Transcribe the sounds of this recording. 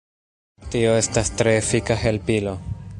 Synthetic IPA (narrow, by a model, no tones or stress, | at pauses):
tio̞e̞stastɾe̞ːfikaɦe̞lpilo̞